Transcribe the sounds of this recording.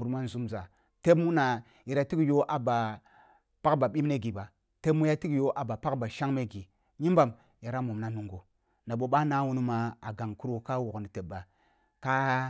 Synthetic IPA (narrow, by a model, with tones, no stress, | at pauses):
u˨ɾma˦n̩˨zu˨˦mza˨ | te˦bmu˦na˨ | ji˨ɾa˨ti˦kjo˦ʔa˨ba˨ | pa˦kba˨ɓi˦mne˦ɡi˨ba˨ | te˦mu˦ja˦ti˦kjo˦ʔa˨ba˨pa˦kba˨ʃa˦ŋme˦ɡi˨ | ɲi˦mba˨m | ja˨ɾa˦mu˨mna˨nu˨ŋɡo˨ | na˨ɓo˨ɓa˦na˦wu˨nu˦ma˨a˨ɡa˨ŋku˦ɾo˨ka˦wo˨kni˨te˨ɓa˨ | ka˦